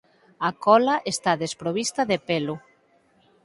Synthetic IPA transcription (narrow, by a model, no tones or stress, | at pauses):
akɔlaʔest̪aðespɾoβist̪ɐðepelʊ